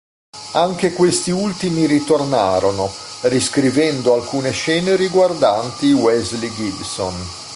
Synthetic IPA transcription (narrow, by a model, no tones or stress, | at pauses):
aŋkekwest̪iult̪imiɾit̪orna̰ːɾono | riskɾivɛnd̪oalkuːneʃɛːneɾiɡward̪ant̪iwɛzliɡilso̰n